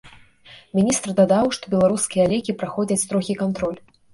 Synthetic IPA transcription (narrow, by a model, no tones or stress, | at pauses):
mʲinʲist̪rd̪ad̪awʂt̪ɔbʲɛlˠaɾuskʲijɐlʲɛkʲipɾaxɔd͡zʲɐt͡sʲt̪ɾɔɣʲikant̪ɾɔlʲ